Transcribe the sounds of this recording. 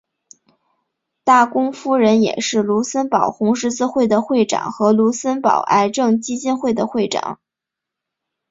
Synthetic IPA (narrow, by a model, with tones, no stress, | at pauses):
t̪a˥˩kʊ˥ŋfu˥ɻə˧˥njɛ̰˨˩ʂɻ̩˥˩lu˧˥sə˥npɑ˨˩ʊxʊ˧˥ŋʂɻ̩˧˥t͡sɹ̩˥˧xwe˥˩ɪd̪ə˩xwe˥˩ɪʈ͡ʂɑ̰˨˩ŋxɤ˧˥lu˧˥sə˥npɑ̰˨˩ʊʔa˧˥ɪʈ͡ʂɤ˥˩ŋt͡ɕi˥t͡ɕi˥˧nxwe˥˩ɪd̪ə˩xwe˥˩ɪʈ͡ʂɑ̰˨˩˦ŋ